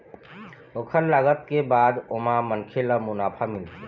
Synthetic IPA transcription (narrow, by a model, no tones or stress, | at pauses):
okʰəɾlaɡət̪̚kebad̪omamənkʰeləmunapʰamilt̪ʰi